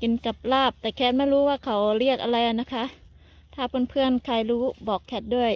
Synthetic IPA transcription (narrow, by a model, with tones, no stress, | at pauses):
ki˧˦nka˨˩p̚laː˥˩p̚t̪ɛː˨˩kʰɛː˧˥t̪̚ma˧˥˨jɾuː˦˥waː˧˩kʰa˨˩wɾi˥˩ək̚ʔa˧ɾa˧jʔa˨˩na˦˥kʰa˦˥ʔ | t̪ʰaː˧˩pʰo˧˥˨npʰɯ˧˩ənkʰaː˧˩jɾuː˦˥bɔː˨˩kʰːɛː˧˥t̪̚du˥˩əj